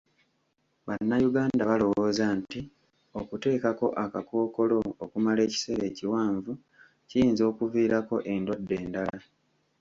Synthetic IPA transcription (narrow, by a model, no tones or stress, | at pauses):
βanːajuɡaːndaβalo̞woːzanti | o̞kute̞ːkako̞ʔakako̞ːko̞lo̞ːkumale̞ːci̥se̞ɾe̞ːciwaːɱvu | cijiːnzo̞ːkuviːɾako̞ʔe̞ndo̞dːe̞ːndala